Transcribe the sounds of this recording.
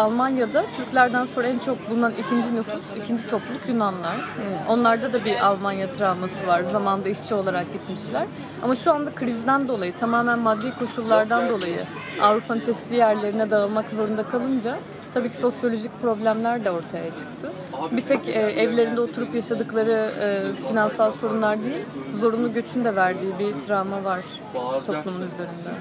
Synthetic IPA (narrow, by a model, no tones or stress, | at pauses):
alˠmanjad̪at̪ʰyɾclʲæɾd̪ænsoɾænt͡ʃʰo̞k̚bulˠunanʔicʰind͡ʒinufusicʰind͡ʒit̪ʰo̞plulˠukjunanlˠaɾo̞nlˠaɾd̪ad̪abiʔalˠmanjat̪ʰɾavmasɯvaɾzamand̪aiʃt͡ʃʰɛo̞lˠaɾak̚bit̪miʃlʲæɾ | a̰maʃuand̪akʰɯɾizid̪ænd̪o̞lˠajɯt̪ʰamaːmænmad̪ːiːkʰo̞ʃulˠːaɾd̪and̪o̞lˠajɯ̰ | a̰vɾupʰanɯnt̪ʰɛslʲiːjæɾlʲe̞ɾinɛd̪aɯlˠmakzo̞ɾund̪akʰalˠɯnd͡ʒa | t̪ʰabiːcʰi̥so̞sjo̞lʲo̞ʒic̚ʲpɾo̞blʲæmlʲæɾd̪ʲɛo̞ɾt̪ʰajat͡ʃʰɯ̥kt̪ʰɯ | bit̪ʰɛcɛːʔɛvlʲe̞ɾind̪ɛo̞t̪ʰuɾupjaʃad̪ɯklˠaɾɯɯːfinansalˠso̞ɾunlˠaɾd̪ejilʲzo̞ɾunˠuɟø̞t͡ʃʰynd̪ɛvæɾd̪iːbit̪ʰɾavmavaɾ̥ | t̪ʰo̞plˠumunyzeɾynd̪ɛ